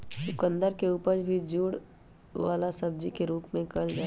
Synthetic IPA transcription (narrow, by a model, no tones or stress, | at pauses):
sʊkə̃nd̪əɾkeuːpəɾbʱid͡ʒuːɽ | ʋa̰ːlasɐb̚d͡ʒikeɾuːpmẽkɐld͡ʒa